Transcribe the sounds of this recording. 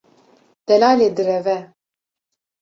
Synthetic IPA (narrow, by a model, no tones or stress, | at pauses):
d̪̥ɛlaːleːd̪ɨɾɛvɛ